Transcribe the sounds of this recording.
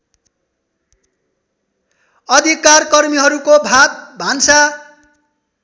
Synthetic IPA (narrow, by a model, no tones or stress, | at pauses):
ʌd̪ʱikarkʌrmiɦʌɾukobʱat̪̚bʱansa